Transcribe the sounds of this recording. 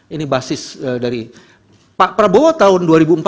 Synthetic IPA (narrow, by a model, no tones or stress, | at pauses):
inibasɪsədaɾi | paʔpəɾabowat̪aʊnduaɾibump